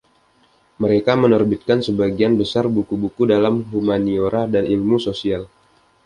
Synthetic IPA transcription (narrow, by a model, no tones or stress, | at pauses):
məɾekamənərbit̪̚kansəbaɡianbəsarbukubukudalamɦumanioɾadanilmusosial